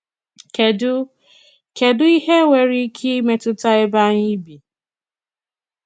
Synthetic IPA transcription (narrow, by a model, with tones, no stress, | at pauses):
ke˨dʊ˦ | ke˨dʊ˦i˦he˦wʷe˨ɾi˦kʰi˦me˦tʊ˦ta˦e˦ba˦ɲi˦bi˨